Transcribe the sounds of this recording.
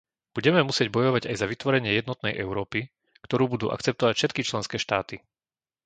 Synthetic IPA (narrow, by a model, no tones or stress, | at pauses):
b̥uɟɛmɛmusɪɛɟ̚bɔjɔʋaɟajzaʋit̪ʋɔɾɛɲɪɛjɛd̪nɔt̪nɛjʔɛʊɾɔːpi | kt̪ɔɾuːbud̪uːʔa̰kt͡sɛp̚t̪ɔʋacfʃɛt̪kit͡ʃlɛnskɛːʃt̪aːt̪i